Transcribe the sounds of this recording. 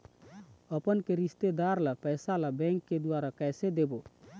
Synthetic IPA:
əpənkeɾist̪ed̪aɾləpəjsalabɛ̃ŋkːed̪uaɾakɛjsed̪ebo

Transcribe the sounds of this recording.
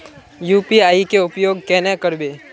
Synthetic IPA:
juːpiaːikeʊpjoːɡ̚kɛːnɛkəɾbeː

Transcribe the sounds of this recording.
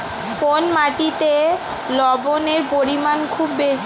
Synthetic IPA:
fonmaʈit̪e | lɔboneɾpoɾimankʰubːeʃ

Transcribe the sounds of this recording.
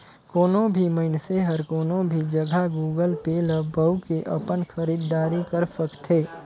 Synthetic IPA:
koːnõbʱiməɪnseɦəɾkoːnõbʱid͡ʒəɡʱaɡuːɡəlpeːləbəʊkeʔəpənxəɾiːd̪ːaːɾikəɾpəkt̪ʰeː

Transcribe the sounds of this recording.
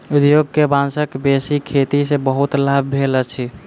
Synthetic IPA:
ud̪joɡ̚kebãnsəkbesikʰːet̪isebəɦut̪labbʱelət͡ʃʰi

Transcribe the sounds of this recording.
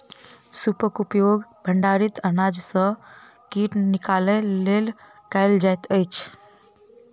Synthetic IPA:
supəkupjoɡbʱəɳɖaɾit̪ənad͡ʒsə̃ | kiʈnikalelel | kaɪld͡ʒajt̪əjt͡ʃʰ

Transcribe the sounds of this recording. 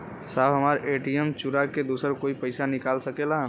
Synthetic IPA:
saːbɦəmaːɾeːʈiemt͡ʃuɾaked̪osəɾkoːipəɪsanɪkaːlsəkelaɦ

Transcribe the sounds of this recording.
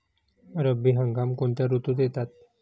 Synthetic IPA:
ɾəbiɦəŋɡamkoɳt̪jaɾut̪ud̪jet̪at̪̚

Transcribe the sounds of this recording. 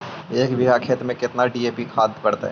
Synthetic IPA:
eːkbɪɦakʰeːt̪ɾmẽkɪt̪naɖiːeːpikʰaːd̪pɐɽt̪aɦɛ̰ː

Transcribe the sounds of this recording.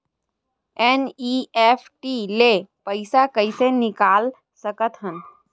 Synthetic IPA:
eniefʰʈilepəɪsakəɪsenɪkaːl | səkət̪ɦən

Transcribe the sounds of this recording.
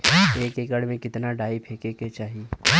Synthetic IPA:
eːkeːkəɽmẽkɪt̪naɖaːipʰeːkeːket͡ʃaːɦieː

